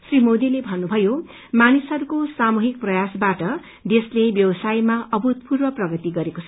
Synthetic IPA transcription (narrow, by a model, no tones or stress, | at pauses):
srimod̪ilebʱʌnːubʱʌjo | manisʌɾukosamuɦik̚prʌjasbaʈʌ | d̪eslebjʌbʌsajmaʌbʱut̪̚purbʌprʌɡʌt̪iɡʌɾekot͡sʰʌ